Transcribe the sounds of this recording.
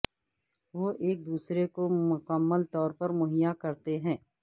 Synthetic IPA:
ʋoːʔeːk̚d̪uːsɾekomʊkəmːəlt̪ɔːɾpɐɾmʊɦɪjakɐɾt̪eɦɛ̃ː

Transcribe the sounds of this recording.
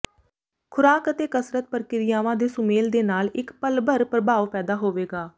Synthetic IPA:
kʰʊɾaːkət̪eːkəsɾət̪̚pəɾkɪɾɪjaːʋãːd̪eːsʊmeːld̪eːnaːlɪkpəlbəɾpɾəbʱaːʋpɛːd̪aːɦoːʋeːɡaː

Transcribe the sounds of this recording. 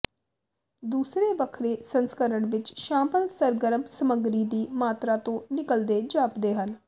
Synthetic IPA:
d̪uːsɾeːʋəkʰɾeːsənskəɾəɳʋɪt͡ʃʃãːmpəlsəɾɡəɾəmsəməɡɾiːd̪iːmaːt̪ɾaːt̪õːnɪkəld̪eːd͡ʒaːpd̪eːɦən

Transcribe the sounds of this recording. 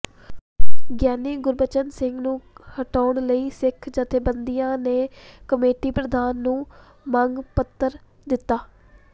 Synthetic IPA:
ɡjaːniːɡʊɾbət͡ʃənsɪŋɡnũːhəʈaːɳləiːsɪkʰd͡ʒət̪ʰeːbənd̪ijãːneːkəmeːʈiːpɾəd̪ʱaːnːũː | məŋɡpət̪ːəɾ | d̪ɪt̪ːaː

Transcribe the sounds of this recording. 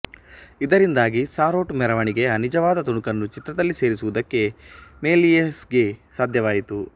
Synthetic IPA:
id̪ɐɾind̪aːɡisaːɾo̞ːʈmɛɾɐʋɐɳiɡe̞ɐnid͡ʒɐʋaːd̪ɐt̪uɳukɐnːut͡ʃit̪ɾɐd̪ɐlːise̞ːɾisuʋud̪ɐkːe̞meːliesɡe̞saːd̪ʱjɐʋaːjit̪u

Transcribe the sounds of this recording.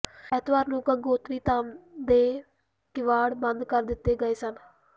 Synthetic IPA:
ɛt̪ʋaːɾnũːkəɡoːt̪ɾiːt̪aːmd̪eː | kɪʋaːɽbənd̪kəɾd̪ɪt̪ːeːɡəeːsən

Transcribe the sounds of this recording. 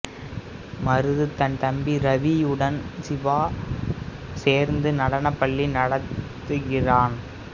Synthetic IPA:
mɐɾɯðɯt̪ɐnt̪ɐmbiɾɐʋijɯɽɐnsɪʋaː | seːɾnd̪ɯnɐɽɐnɐpːɐɭːinɐɽɐt̪ː | ɯɣɪraːn

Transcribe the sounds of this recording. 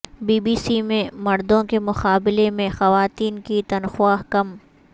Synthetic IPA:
biːbiːsimẽmɐɾd̪õkemʊxaːbɪlemẽxɐʋaːt̪iːnkit̪ɐnxʊaːɦkɐm

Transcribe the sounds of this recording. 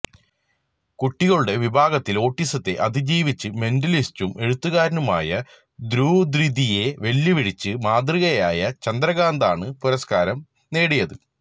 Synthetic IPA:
kuʈːiɣɐɭuɽe̞ʋibʱaːɡɐt̪ːilo̞ːʈːisɐt̪ːe̞̰ʔɐd̪id͡ʑiːʋit͡ɕːɨme̞ndɐlistume̞ɻut̪ːuɣaːɾɐnuma̰ːjɐ | d̪ɾuːd̪ɾid̪ije̞ʋeljiʋiɽit͡ɕːɨmaːd̪riɣɐjaːjɐt͡ɕɐnd̪ɾɐɣaːnd̪aːɳɨpuɾɐskaːɾɐm | ne̞ːɽijɐðɨ

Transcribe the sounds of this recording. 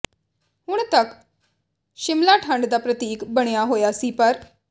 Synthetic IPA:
ɦʊɳ̃t̪ək | ʃɪmlaːʈʰə̃ɳɖd̪aːpɾət̪iːkbəɽ̃ejaːɦoːjaːsiːpəɾ

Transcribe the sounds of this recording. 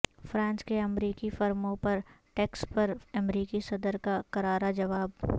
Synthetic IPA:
fɾãːnskeɐmɾiːkifɐɾmõpɐɾ | ʈeːkspɐɾɐmɾiːkisɐd̪əɾkakɐɾaːɾad͡ʒɐʋaːb

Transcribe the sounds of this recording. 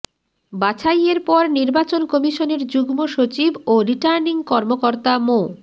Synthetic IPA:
bat͡ɕʰajeɾpɔɾniɾbat͡ɕonkɔmiʃoneɾd͡ʑuɡmoʃot͡ɕiboɾiʈaɾniŋkɔɾmokoɾt̪amo

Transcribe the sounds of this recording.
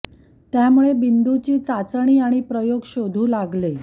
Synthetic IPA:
t̪jamuɭebind̪ut͡ɕiːt͡sat͡sɳ̃iːaɽ̃ipɾəjoɡɕod̪ʱuːlaɡle

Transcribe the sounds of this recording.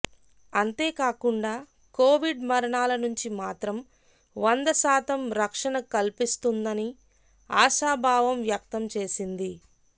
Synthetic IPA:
ɐnt̪e̞ːkaːkuɳɖaː | ko̞ːʋiɖmɐɾɐɳaːlɐnuɲt͡ʃimaːt̪ɾɐm | ʋɐnd̪ɐsaːt̪ɐmɾɐkʂɐɳɐkɐlpist̪und̪ɐni | aːʃaːbʱaːʋɐmʋjɐk̚t̪ɐmt͡ʃe̞ːsind̪i

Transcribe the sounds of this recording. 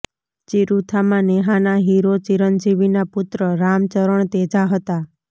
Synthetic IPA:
t͡ʃiɾut̪ʰamãneɦanaɦiɾot͡ʃiɾənd͡ʒiʋinapʊt̪ɾəɾamt͡ʃəɾəɳ̃t̪ed͡ʒaɦət̪a

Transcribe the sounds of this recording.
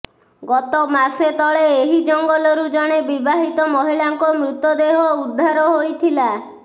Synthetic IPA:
ɡɔt̪ɔmaset̪ɔɭeːɦid͡ʒɔŋɡɔlɔɾud͡ʒɔɽ̃ebibaɦit̪ɔmɔɦiɭaŋkɔmɾut̪ɔd̪eɦɔud̪ʱːaɾɔɦojt̪ʰila

